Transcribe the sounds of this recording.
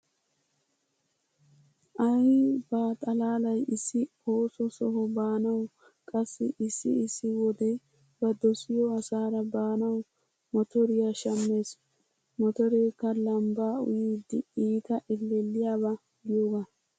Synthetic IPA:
ʔɐjbaːt̪ʼɐlaːlɐjɪsːɪ | o̞ːsɔsɔɦɔbaːnɐw | kʼɐsːɪʔɪsːɪ̰ɪsːɪwɔd̪ɛj | bɐd̪ɔsɪjɔɐsaːɾɐbaːnɐw | mɔt̪ɔɾɪjaʃɐmːe̞ːs | mɔt̪ɔɾeːkːɐlɐmbaːʊ̰jiːd̪ɪiːt̪ɐʔɪlːɛlːɪjaːbɐ | ɡɪjoːɡa

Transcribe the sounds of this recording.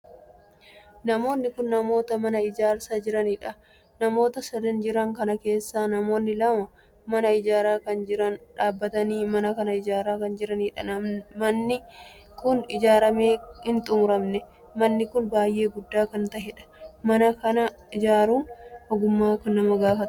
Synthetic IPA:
nɐmo̞ːnːɪkʊnːɐmo̞ːt̪ɐmɐnɐɪd͡ʒaːɾsaːd͡ʒɪɾɐnɪᶑɐ | nɐmo̞ːt̪ɐsɐd̪ɐnd͡ʒɪɾɐŋkɐnɐke̞ːsːaːnɐmo̞ːnːɪlɐmɐ | mɐnɐɪd͡ʒaːɾaːkɐnd͡ʒɪɾɐnᶑaːbːɐt̪ɐniːmɐnɐkɐnɐɪd͡ʒaːɾaːkɐnd͡ʒɪɾɐniːᶑɐɐnːɪ | kʊnɪd͡ʒaːɾɐme̞ːhɪnt̪ʼʊmʊɾɐmnɛ | mɐnːɪkʊnbaːjʔe̞ːɡʊd̪ːaːkɐnt̪ɐɦɛᶑɐ̥mɐnɐkɐnɐ | ɪd͡ʒaːɾuːnʔɔɡʊmːaːkɐnːɐmɐɡaːfɐt̪

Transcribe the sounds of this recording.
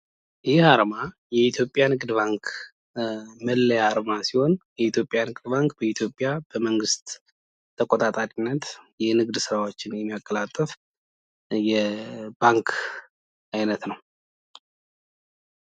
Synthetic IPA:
ʔɪhaɾma | jɛit̪ʰjo̞pʼːjanɨɡd̪baŋk | məlːəjaɾmasiho̞njɛit̪ʰjo̞pʼjanɨɡd̪baŋkʼbəit̪ʰjo̞pʼːjab̥əməŋɡɨst̪ | t̪ʰːəkʼot̪ʼat̪ʼaɾʼinːət̪jɛnɨɡd̪sɨɾawo̞t͡ʃːɪnjɛmːijakʼːəlat̪ʼːəf | jɛbaŋkʰ | ajnət̪nəw

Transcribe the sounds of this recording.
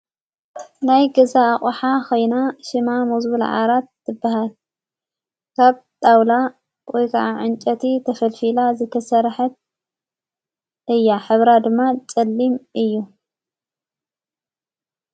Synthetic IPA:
najɡɐzaːxʼħakʰo̞jnaʃɪmamuzbul̰ʕa̰ɾat̪ːɨbːahal | kʰaβt̪ʼawla | wɔjkʰɐʕaʕɨnt͡ʃʼɐt̪ʰit̪ʰɐfɐlfilazɨt̪ʰɐsɐɾħɐt̪̚ | ʔɨjːaħɨβɾad̪ɨmːat͡sʼɐlːimʔɨjːu

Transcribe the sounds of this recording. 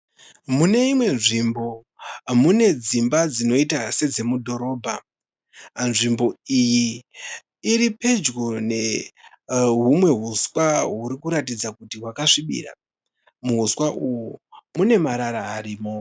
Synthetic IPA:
mune̞imwe̞nʐimbo̞ | mune̞d͡zimbad͡zino̞itase̞d͡ze̞mudʱo̞ɾo̞ːbʱa | nʐimbo̞ijiː | ɾipe̞d͡ʒɡone̞ | ɦumwe̞ɦuswaɦuɾikuɾatid͡zakutiɦwakaʂiɓḭra̰ | muɦuswaʔujumune̞maɾaɾaːɾiːmo̞

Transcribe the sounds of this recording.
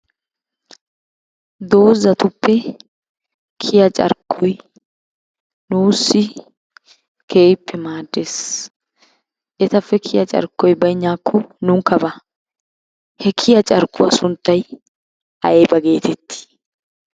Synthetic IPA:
d̪o̞ːzːɐt̪ʊpːɛ | kʰɪjɐt͡ʃʼɐ̰ɾkʰːɔj | nuːsːɪ | keːpːɛmaːd̪ːeːs | ʔɛt̪ɐfːɛkʰɪjɐt͡ʃʼɐ̰ɾkːɔjbɐjɲːaːkʰːɔnʊŋkːɐbɐ | hɛkʰɪjɐt͡ʃʼɐɾkːʊwasʊnt̪ːɐj | ʔɐ̰jbɐɡe̞ːt̪ʰɛt̪ʰːɪ̥

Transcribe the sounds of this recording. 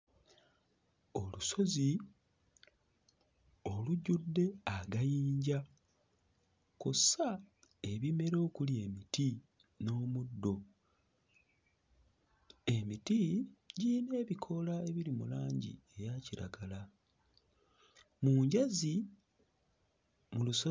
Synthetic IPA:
o̞luso̞zi | o̞luɟudːe̞aɡajiːɲɟa | kusa | e̞βime̞ɾo̞ːkulje̞miti | no̞ːmudːo̞ | e̞mitiɟiːne̞ːβikʰo̞lae̞βilimṵlaːɲɟḭe̞βjaciɾa̰ɡala | muɲɟazi | muluso

